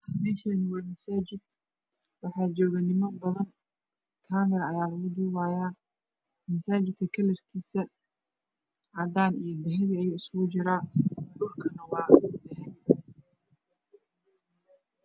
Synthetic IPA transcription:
mɛːʃɐnɪwaːmɐsaːt͡ʃɪd̪̚ | wɑħɑːt͡ʃɔːɣɐnɪmɔbɐðɐn | kʰaːmɪɾɐɐjaːlɐɣʊd̪uːwaːjaː | mɐsaːt͡ʃɪd̪̚kʰɐkʰɐlɛrkʰiːsɐ | ʔɐd̪aːnijɞd̪ɐɦɐðiːɐjuːɪsɣʊt͡ʃɪɾaːɖʊlkʰɐnɐwɑːd̪ɐɦɛn

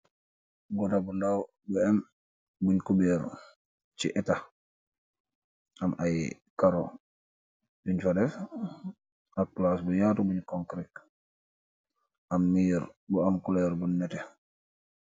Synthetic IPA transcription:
ɡɔtabundaw | buɛm | buɲkubɛɾ | t͡ʃiʔɛta | ʔamaj | kaɾo | duɲfadɛf | ak̚plasbujaːtubuɲkɔŋkɾik̚ | ʔamːiːɾbuamkulɛɾbunnɛtɛ

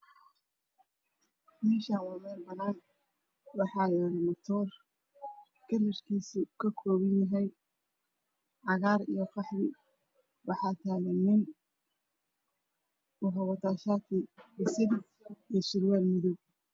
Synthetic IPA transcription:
mɛːʃaːwɑːmɛːlbɐnaːn | wɑħɑːjɔɾɪmɐt̪ʰɔːr | kʰɐrɐrkʰiːsʊkʰɐkʰɔːβɪnjɐɦɛjn | ʕɑɣaːɾḭjɔfɑħðɪ | wʔɑħɑːt̪ʰaːɣɛnɪn | ʊɦɐwɐt̪aːʃaːt̪ʰibɪsɪd | ijʃɪɾwaːlmɪðʊɡ

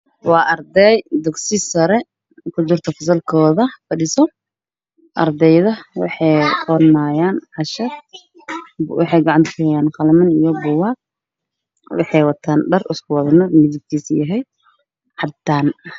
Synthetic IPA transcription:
wɑːʔɐrd̪ɛjd̪ʊɡsɪsɐɾɛ | kʰʊd̪ʊrt̪ʰɐfɐsɐlkʰɔːðɐfɐɖɪsɔ | ʔɐ̰rd̪ɛjðɐwɑ̰ħɑjqʰɔnaːjaːnʕɑʃɐ | wɑħɑjɡɑʕɑnt̪ʰkʰʊhɛjaːnqɑlmɐnijɔbʊwaːɡ̚ | wɑ̰ħɑjwɐt̪ʰaːnɖɐrɪskʰʊwɐðɐnɐdmɪðɪb̚k̪ʰiːsjɐɦɛj | ħɑd̪aːn

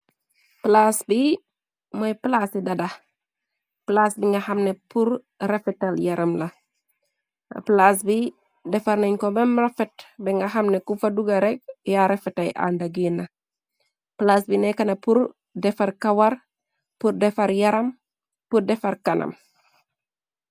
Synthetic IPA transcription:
plasbi | mojplasidɐda | plaːsbiŋɡɐhɐmnepuɾ | ɾefɛtaljɐɾɐmlɐ | plas̬bi | dɛfɐɾneɲkobɐmɾɐfɛtbɛŋɡɐɦɐmnekufɐduɡɐɾɛk̚jaɾɛfɛtɐjʔa̰ndɐɡinɐ | plasbinɛkɐnɐpuɾ | dɛfɐrkɐwɐɾ | purdɛfɐɾjɐɾɐm | purdɛfɐɾkɐnɐ̰m

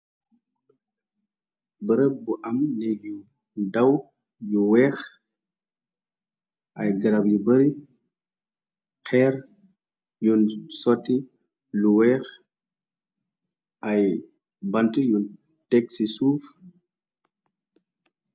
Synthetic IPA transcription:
bəɾəbuʔamneɡju | daw | juwɛx | ʔajɡəɾabjubəɾi | kʰɛɾ | junsɔtːi | luwɛx | ʔaj | bantujun | teksisuːf

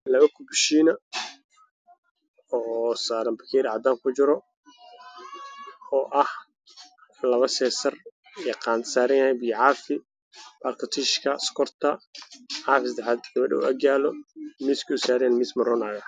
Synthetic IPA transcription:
lɐβɐkʰʊbɪʃiːnɐ | ɔːsaːɾɐmbɐkʰɛːɾʕɑd̪aːŋkʰʊt͡ʃɪɾɔ | ɔːʔɐh | lɐβɐsɛːsɐr | ɛqɑːnt̪saːɾɐnjɐhɛjbiːʕɑːfɪ | baːlkʰɐt̪ʰɪʃkʰɐskʰɔrt̪ʰɐʕɑːfɪsɐd̪ɛħaːd̪ɡɐβɐɖɛ̰ʊ̰ʔɐɡaːlɔmiːskʰʊʊsaːɾɛnmɪːsmɐrɔnaːɣɐ

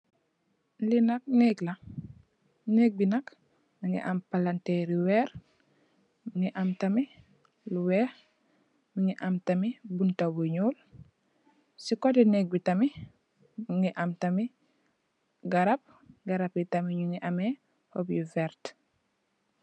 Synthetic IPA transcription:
linak̚nekla | nek̚binak | miŋɡḭʔa̰mpalanteɾiwɛːɾ | miŋiʔamtami | luwɛh | miŋiʔamtamibuntawuɲuːl | sikotɛnek̚bitami | miŋɡiʔamtami | ɡaɾap̚ | ɡaɾapjitamiɲuŋiʔame | hobjuvɛɾt

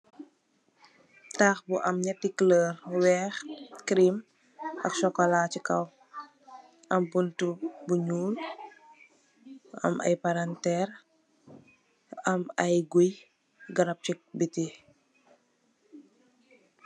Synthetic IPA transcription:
taːxbuʔɐmɲɐtikləːrwɛːxkɾim | ɐ̰ksɔkɔlacikɐw | ʔɐmpuntubuɲuːl | ɐ̰mʔɐ̰jpaɾantɛːr | ɐmɐjɡuj | ɡɐɾɐp̚cibiti

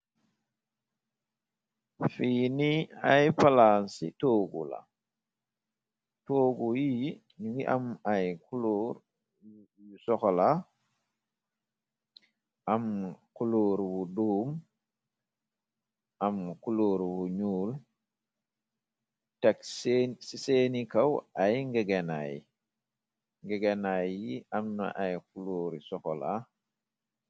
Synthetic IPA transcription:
fiːniajpalansḭtoːɡṵla̰ | toːɡuji | ɲuŋɡiʔamajkuloːɾ | jusɔxɔla | ʔamkuluːɾbuduːm | ʔamkuloːɾbuɲuːl | tɐksisenikawʔajŋɡeɡena̰j̰ | ŋɡeɡenajiʔamna̰ʔajkuluːɾjusɔxɔla̰

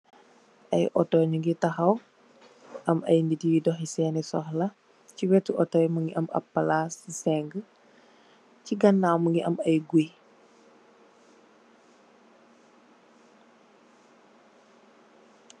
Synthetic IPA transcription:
ʔɐjʔɔtɔɲuŋɡitɐxɐw | ʔɐmɐ̰jnditijidɔxisɛːnɛsɔxlɐ | ciwɛtuʔɔtɔːjməŋɡiʔɐmɐ̰pːɐlaːsisɛŋɡə | ciɡɐnːawməŋɡiʔɐmɐjɡuj

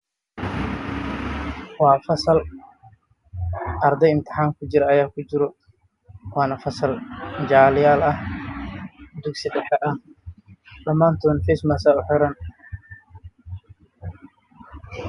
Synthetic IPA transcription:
wɑːfɐsɐl | ʔɐɾd̪ɛjɪmt̪ʰɪ̥ħaːŋkʰʊt͡ʃɪɾɐɐjaːkʰʊt͡ʃɪɾɔ | wɑːnɐfɐsɐld͡ʒaːlɪjaːlɐh | d̪ʊksɪdɐħɐʔɐh | ɗɐmaːnt̪ʰɔːnfismɐsaːʊħɔɾɐn

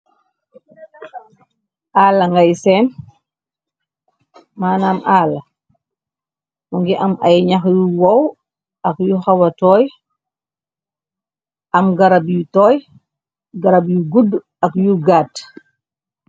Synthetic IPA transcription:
ʔaːlːɐŋɡajsɛːn | maːnamʔaːlɐ | wuŋɡiʔɐmʔɐjɲaxjuwow | ɐkjuxawɐtɔːj | ʔɐmɡɐɾabjutɔːj | ɡaɾabjuɡud | ɐkjuɡaːt

